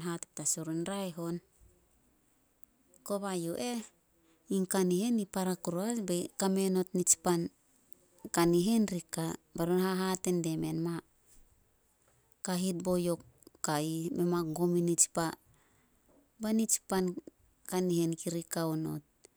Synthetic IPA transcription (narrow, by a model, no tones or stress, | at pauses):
ɦatop̚tasoɾunɾaeɦo̞n | ko̞βajoʔe̞ | iŋkanihe̞nipaɾakuɾoasbakame̞no̞tnit͡ʃpan | kaniɦe̞nɾikabaɾonhaɦate̞nde̞me̞nma | kaɦit̚bo̞jo̞kːaimemakɡo̞minit͡ʃpa | banit͡ʃpan | kanihenkiɾikaono̞̰t̚